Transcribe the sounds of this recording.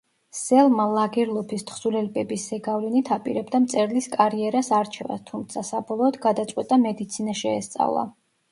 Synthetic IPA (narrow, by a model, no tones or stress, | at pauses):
sɛlˠmalˠaɡiɾlˠɔpʰist̪ʰχsulɛlbɛbiszɛɡavlɛnit̪ʰapʼḭɾɛbd̪amt̪sʼɛɾliskʼaɾiɛɾasaɾt͡ʃʰɛva̰st̪ʰumt̪sʰasabɔlˠɔːd̪ɡad̪at̪sʼwɛt̪ʼamɛd̪it̪sʰinaʃɛːst̪sʼa̰vlˠa̰